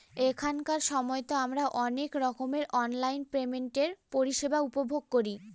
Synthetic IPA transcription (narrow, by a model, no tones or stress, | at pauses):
ekʰankaɾʃɔmɔeot̪oamɾaʔɔnekɾɔkomeɾʔɔnlajnpɾemeɳʈeɾpoɾiʃebaupobʱoɡ̚koɾi